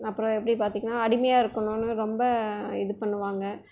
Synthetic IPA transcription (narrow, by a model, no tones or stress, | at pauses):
ɐpːɯɾɔ̃ɛpːɐɽipaːɾt̪iːŋɡɐnːaːɐɽɪmɐjaːɪɾɯkːɐnʊ̃nɯɾɔmbɐɪðɯpɐɳːɯʋaːŋɡɐ